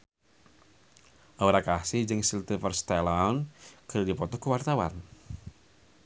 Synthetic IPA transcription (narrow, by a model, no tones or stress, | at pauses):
ʔauɾakasɪhd͡ʒɨŋsilt̪ifərst̪ɛlankəɾdipɔt̪ɔkəwart̪awa̰n